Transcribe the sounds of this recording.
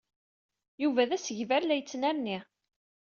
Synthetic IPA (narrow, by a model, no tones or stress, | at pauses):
juvæðæsəʝvæɾlæjət͡sːnæɾni